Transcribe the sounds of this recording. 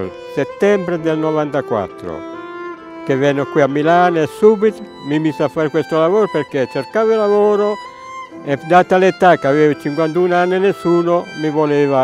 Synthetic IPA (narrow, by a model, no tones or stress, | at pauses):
set̪ːɛmbɾed̪elnovant̪akwa̰t̪ːɾo̰ | k̟evɛnːokwiamːilaːnesːuːbit̪ | mimisafːaːɾekwest̪olavoːɾopeɾket͡ʃːerkaːvɪlavoːɾo | ed̪aːt̪alet̪ːakeaveːvɪt͡ʃiŋkwant̪unanːɪnesːuːnomivoleːva